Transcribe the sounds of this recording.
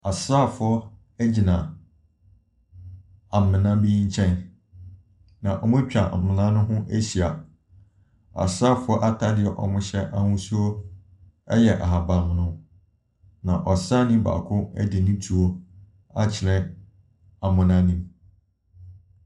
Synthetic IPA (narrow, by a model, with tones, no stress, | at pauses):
a˨saː˦˨fʊ˨˦ɔ˦ | æ˦d͡ʑi˨nã˨ | a˨m̩˨mɪ̃˨nã˦bi˦ɲ̩˦t͡ɕʰɛ̃˦˨n | nã˨ʔɔ˨mʊ̃˦t͡ɕᶣa̰˨m̩˨mɪ̃˨nã˦nʊ̃˦ɦʊ̃˦ʔæ˦ɕi˨a˨ | a̰˨saː˦˨fʊ˦ɔ˦ʔa˦tʰa˦dɪ˨ɛ˨ʔɔ̰˨mʊ̃˦ɕɛ˦ʔa˦hʊ̃˦su˦o˦ | ɛ˦jɛ˨ʔa˨ɦa˨ba˨m˨nʊ̃˦ | nã˨ʔɔ˨sa˦nĩ˦ba̰˨kʰʊ̃˦ɛ̰˦dɪ˨nĩ˦tʰu˨o˦ | a˦t͡ɕʰɪ˨lɛ̃˦ | a˨mʊ̃˨nã˦nĩ˦m